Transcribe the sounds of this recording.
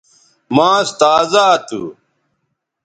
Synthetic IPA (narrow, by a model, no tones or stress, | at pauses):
mãːst̪aːzaːt̪ṵ